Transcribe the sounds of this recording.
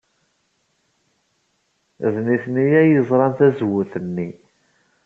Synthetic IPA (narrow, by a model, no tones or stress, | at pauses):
ðniθnijæjəzˤɾˤɑnθæzwuθənːi